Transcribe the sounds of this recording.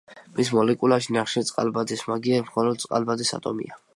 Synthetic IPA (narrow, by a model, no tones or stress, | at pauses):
mismɔlɛkʼulaʃinaχʃɛt̪sʼqʼa̰lbad̪ismaɡiɛmχɔlɔd̪̚t̪sʼqʼa̰lbad̪isa̰t̪ʼɔ̰mḭa